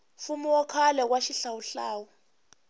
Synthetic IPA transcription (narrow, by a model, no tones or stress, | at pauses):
fumiwɔkʰalɛk̬waʃiɬawuɬaːwɔ